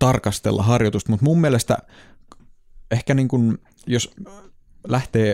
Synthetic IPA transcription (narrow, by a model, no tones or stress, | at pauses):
t̪ɑrkɑst̪elːʔɑ̰ɦɑrjot̪ust̪mut̪mumːielest̪æ̰ | ehkæniːŋkun | jos | læht̪eː